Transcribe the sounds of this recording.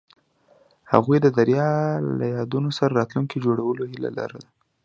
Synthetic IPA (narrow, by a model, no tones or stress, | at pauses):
ha̰ɣujd̪əd̪aɾjɑla̰jɑd̪unosaɾaɾɑt̪luŋkid͡ʒoɽawəlohila̰la̰ɾad̪a